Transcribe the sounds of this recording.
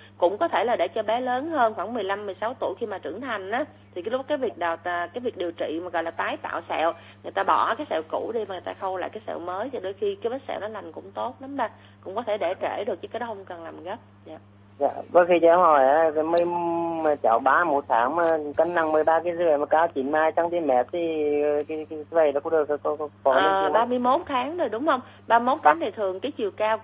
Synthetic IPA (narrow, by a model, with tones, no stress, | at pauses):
kʊ̰˧˥ŋ͡mkɔ˨˦t̪ʰe˧˩laː˨˩ɗe˧˩t͡ɕɔ˧ɓɛ˨˦ləː˨˦nhəː˧nxwaː˧˩ŋmɨ˨˩əjla˧mːɨ˨˩əjsa˨˦wt̪u˧˩˨jxi˧maː˨˩t͡ɕɨ˧˩əŋt̪ʰa˨˩jŋ̟ʔaː˨˦ | t̪ʰi˨˩˨lʊ˦˥k̚kːaː˨˦jvi˨˩ək̚ɗaː˨˩wt̪ːkaː˨˦jvi˨˩ək̚ɗi˨˩əwt͡ɕḭ˧˨maː˨˩ɣɔ̰˧˨jlaː˨˩t̪aː˨˦jt̪a̰ː˧˨wsɛ̰˧˨w | ŋɨ˨˩əjt̪aː˧ɓɔ˧˩kaː˨˦jsɛ̰˧˨wku˧˩ɗi˧ma˨˩ŋ˨˩jt̪aː˧xə˧wla̰ː˧˨jkaː˨˦jsɛ̰˧˨wməː˨˦jta˨˩ɗo˧jxi˧kaː˨˦jɓə˦˥t̚sɛ̰˧˨wnɔ˨˦la˨˩jŋ̟kʊ̰˧˥ŋ͡mt̪o˦˥t̚la˨˦mɗə˧˩ | kʊ̰˧˥ŋ͡mkɔ˨˦t̪ʰe˧˩ɗe˧˩t͡ɕe˧˩ɗɨ˨˩ək̚t͡ɕɨ˨˦kːaː˨˦ɗɔ˨˦hə˧ŋ͡mkə˨˩nlaː˨˩mɣə˦˥p̚za̰ː˧˨ | za̰ː˧˨və˨˦xi˧t͡ɕɛ˧˦hɔ˨˩ja˨˦˨mɨ˧˩əjma˨˩t͡ɕa̰ː˧˩˨wɓaː˧mo˨˧˩t̚t̪ʰaː˨˦ŋa˨˩ka˧˦ŋna˧˩ŋmɨ˨˩əjɓaː˧ki˨˦zɨ˧˦ə˧˨˩ma˨˩kaː˧˦t͡ɕi˧˩˦nmaː˧jt͡ɕa˧ŋt̪i˧mɛ˨˩t̚t̪ʰi˨˩˨ki˨˦ki˧˦zvə˧˩jɔ˨˦kʊ̰˧˥ŋ͡mɗɨ˨˩ək̚kɔ˧˦˧kɔ˨˩əː˧˩˨ɓaː˧mɨ˧əjmo˨˦˥t̚t̪ʰaː˨˦ŋzo˨˩jɗʊ˨˦wŋ͡mhə˧wŋ͡m | ɓaː˧mo˦˥t̪ʰaː˨˦t̪a˨˩t̪ʰɨ˨˩əŋkaː˨˦jt͡ɕi˧˨˩əwkaː˧w